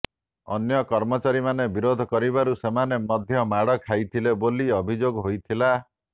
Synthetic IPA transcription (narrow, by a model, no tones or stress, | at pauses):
ɔ̰njɔkɔɾmɔt͡ʃaɾimanebiɾod̪ʱɔkɔɾibaɾusemanemɔd̪ʱjɔmaɽɔkʰajt̪ʰileboliɔbʱid͡ʒoɡɔɦojt̪ʰila